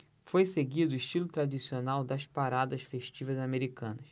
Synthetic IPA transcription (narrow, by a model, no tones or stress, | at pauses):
fojseɡid̪ʊiʃt͡ʃilʊt̪ɾad͡ʒisionawd̪ɐspaɾad̪ɐʃfeʃt͡ʃivɐzameɾikɐ̃nɐs